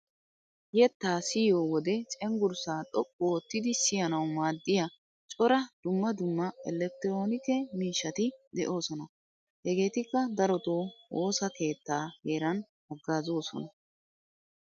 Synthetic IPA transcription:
jɛt̪ːaːsɪjoːwɔd̪ɛt͡ʃʼɛŋɡʊɾsaːɗɔkʼːoːt̪ːɪd̪ɪsɪjɐnɐwmaːd̪ːɪjɐ | t͡ʃʼɔɾɐd̪̥ʊmːɐd̪ʊmːɐɛlɛk̚t̪ːɛɾoːnɪkɛmiːʃːɐt̪ɪd̪ɛʔo̞ːsɔnɐ | hɛɡe̞ːt̪ɪkːɐd̪ɐɾɔt̪oːoːsɐke̞ːt̪ːaːheːɾɐn | ɐɡːaːzo̞ːsɔ̰nɐ

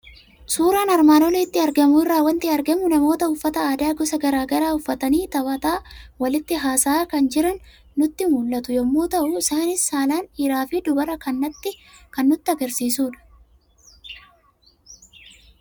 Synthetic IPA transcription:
suːɾaːnɐɾmaːnɔlit̪ːɪɐɾɡɐmʊɪrːaːwɐnt̪ɪɐɾɡɐmʊnɐmo̞ːt̪ɐʊfːɐt̪ɐaːd̪aːɡɔsɐɡɐɾaːɡɐɾaːʊfːɐt̪ɐniːt̪ɐbɐt̪aːwɐlɪt̪ːɪɦaːsaːkɐnd͡ʒɪɾɐnː | ʊt̪ːɪmuːlːɐt̪ʊjɔmːuːt̪ɐʔʊɪsaːnɪsːaːlaːnɪɾaːfɪd̪ʊbɐɾɐkɐnːɐt̪ːɪ | kɐnːʊt̪ːɪɐɡɐɾsiːsuːᶑɐ̥

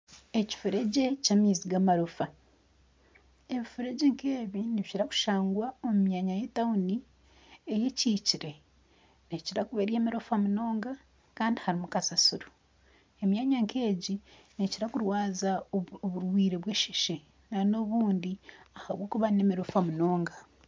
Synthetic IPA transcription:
eci̥fuɾe̞ɟe̞camiːziɡamaɾofa | e̞βifuɾe̞ɟe̞ŋkeːβiniβiciɾaku̥ʃaːŋɡwaomumjaɲaje̞tauni | eje̞ciːciɾe̞ | neciɾakuβeɾje̞ːmeɾofamuno̞ːŋɡa | kaːndihaɾimukasasuɾu | emjaɲaŋke̞ːɟineciɾakuɾwaːzaoβuɾwiːɾe̞βweːʃiʃe | nano̞βuːndiahaβwo̞ːkuβane̞meɾofamuno̞ːŋɡa

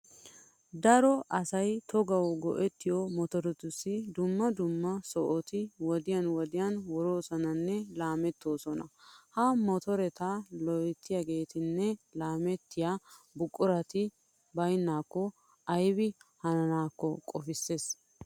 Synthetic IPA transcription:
d̪ɐɾɔʔɐsɐjt̪ʰɔɡɐwɡɔ̰ʔɛt̪ːɪjɔmɔt̪ɔɾɛt̪ʊsːɪd̪ʊmːɐd̪ʊmːɐsɔʔɔt̪ɪwɔd̪ɪjɐnwɔd̪ɪjɐnwɔɾo̞ːsɔnɐnːɛlaːmɛt̪ːo̞ːsɔnɐ̰hɐmɔt̪ɔɾɛt̪ɐlɔjt̪ːɪjaɡe̞ːt̪ɪnːɛlaːmɛt̪ːɪjabʊkʼːʊɾɐt̪ɪ | bɐjnːaːkːɔ | ɐjbɪhɐnɐnaːkːɔkʼɔfɪsːe̞ːs

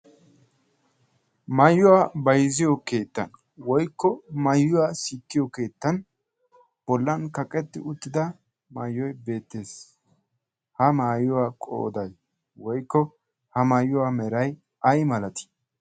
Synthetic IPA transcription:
mɐjːʊwabɐjzɪjɔke̞ːt̪ːɐ̰n | wɔjkːɔmɐjːʊwaːsiːkːɪjɔke̞ːt̪ːɐn | b̥ɔlːɐnkɐkʼɛt̪ːɪ̰ʊt̪ːɪd̪ɐ | mɐjːɔjbe̞ːt̪ːe̞ːs | hɐmaːjʊwaːkʼo̰ːd̪ɐj | wɔjkːɔ | hɐmɐjːʊwamɛɾɐj | ʔɐjmɐlɐt̪ɪ̥

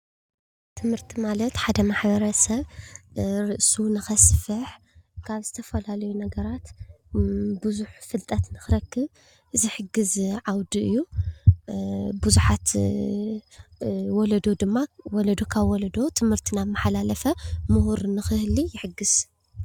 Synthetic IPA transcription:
t̪ʰɨmhɨɾt̪ʰimalɐt̪ħad̪ɐmaħbɐɾɐsɐβ | ɾɨʔsunɨxɐsfɨħ | kʰaβzɨt̪ʰɐfɐlalɐjunɐɡɐɾat̪ | bɨzuħfɨlt̪ʼɐt̪nɨxɨɾɐkːɨβ | ɨzɨħɨɡɨzʕawd̪iʔɨjːu | buzuħat̪ | wɔlɐd̪o̞d̪ɨmːawɔlɐd̪okʰaβwɔlɐd̪o̞t̪ʰɨmhɨɾt̪ʰinamːaħlalɐfɐmɨhuɾnɨxɨhlijɪħɨɡɨz̥

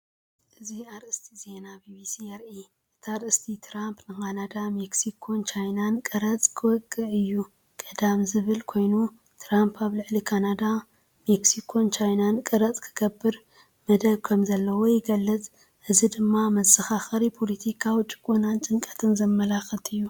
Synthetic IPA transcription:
ʔɨziaɾʔɨst̪ʰize̞nabibisijɐɾʔi | ʔɨt̪ʰaɾʔɨst̪ʰit̪ʰɾampnɨkanad̪ameksikʰo̞nt͡ʃʰajnankʼɐɾɐt͡sʼkʰɨwɔɡːɨʔɨjːu | kʼɐd̪amzɨβɨlkʰo̞jnu | t̪ʰɾampʰaβlɨʕlikʰanad̪a | meksikʰo̞nt͡ʃʰajnankʼɐɾɐt͡sʼkʰɨ̥ɡ̥ɐbːɨɾ | mɐd̪ɐβkʰɐmzɐlːɐwojɪɡɐlːɨt͡sʼ | ʔɨzid̪ɨmːamɐzɨxaxɐɾipʰolɐt̪ʰikʰawit͡ʃʼɨ̥kʼːunant͡ʃʼɨŋkʼɐt̪ʰɨnzɐmːɐlaxɐt̪ʰɨjːu

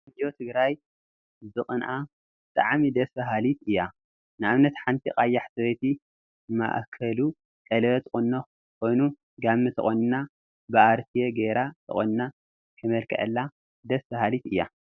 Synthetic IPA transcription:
ɨdjot̪ʰɨɡɾaj | zɨχʼɨnʔa | bɨt̪ʼaʕmid̪ɐsbɐɦalit̪ɨjːa | nɨʔaβnɐt̪ħant̪ʰixʼajːaħsɐβet̪ʰi | ma̰ʔkʰɐlu | kʼɐlɐβɐt̪ʰχʼunːo | kʰo̞jnu | ɡamːɨt̪ʰɨχʼonna | bɨʔaɾt̪ʰijeɡeɾat̪ʰɨ̰χʼonna | kʰɨmɐlkʰʼɐ̰ʕɨlːa | d̪ɐsbɐhalit̪ɨjːa̰

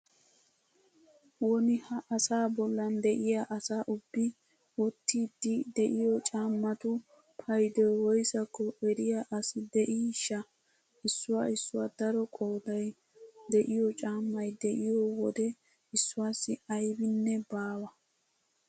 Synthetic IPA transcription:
wɔnɪhɐʔɐsaːbɔlːɐnd̪ɛʔɪjaʔɐsaːʔʊbːɪ | wɔt̪ːiːd̪ɪd̪ɛʔɪjɔt͡ʃʼaːmːɐt̪ʊ | pʰɐjd̪ɛwɔjsɐkːɔʔɛɾɪjaʔɐsɪd̪ɛʔiːʃɐ | ɪsːʊwaːɪsːʊwaːd̪ɐɾɔkʼo̞ːd̪ɐj | d̪ɛʔɪjɔt͡ʃʼaːmːɐjd̪ɛʔɪjɔwɔd̪ɛ | ɪsːʊwaːsːɪɐjbɪnːɛbaːwɐ

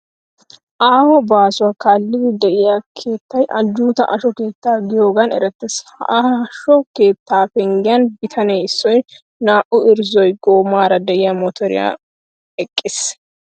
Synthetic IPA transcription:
ʔaːhɔbaːsʊwaːkaːlːɪd̪ɪd̪ɛʔɪjakʰeːt̪ːɐjʔɐd͡ʒːuːt̪ɐ̰ʔɐʃɔke̞ːt̪ːaːɡɪjoːɡɐnɛ̰ɾɛt̪ːɛshʔʃɔke̞ːt̪ːaːfɛŋɡɪjɐnbɪt̪ʰɐnɛɪsːɔj | naːʔʊɪɾzɔjɡoːmaːɾɐd̪ɛʔɪjɐmɔt̪ʰɔɾɪ̰ja̰ː | ɛkʼːɪs

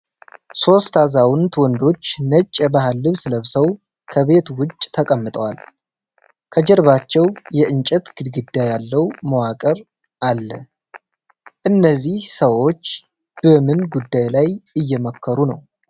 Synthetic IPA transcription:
so̞st̪ʰazawʊnt̪wɔnd̪o̞t͡ʃːnət͡ʃʼːɛbahalːɨβsɨləβsəw | kʰəβe̞t̪wʊt͡ʃʼːt̪ʰəkʼəmːɨt̪ʼəwal | kʰəd͡ʒɛɾβat͡ʃːɛwjɛʔɨnt͡ʃʼɛt̪ɡ̥ɨd̪ɡɨd̪ːajalːəwməwakʼəɾ | ʔalːə | ʔɨnːəzːihsəwo̞t͡ʃː | b̥əmɨnɡud̪ːajlajɨjːɛməkʰːəɾunə̰w

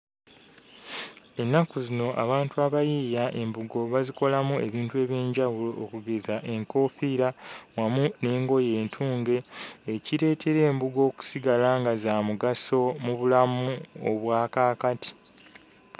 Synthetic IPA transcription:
e̞nːakuzino̞ʔa̰βaːntuaβajiːjaʔe̞mbuɡo̞βaziko̞lamue̞βiːntue̞ːβje̞ːɲɟawuloʔːkuɡe̞zaʔe̞ŋko̞ːfiɾawamune̞ːŋɡo̞je̞ːntʰuːŋɡe̞ːciɾe̞ːtʰe̞ɾe̞ːmbuɡo̞ːku̥siɡalaŋɡazaːmuɡaso̞muβulamuo̰βwaːkaːkati̥

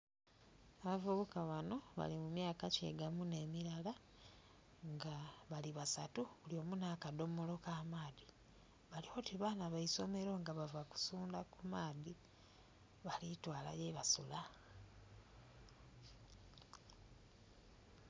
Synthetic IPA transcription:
aβavuβukaβano̞βa̰limumjaːkace̞̰ɡamune̞ːmiɾala | ŋɡaβaliβasa̰tuβuljo̞ːmunaːkado̞molo̞kaːmaːði | βaliho̞ːtiβaːnaβaiso̞meɾo̞ŋɡaβavaku̥suːndakumaːði | βalitwaːla̰jeβasṵla

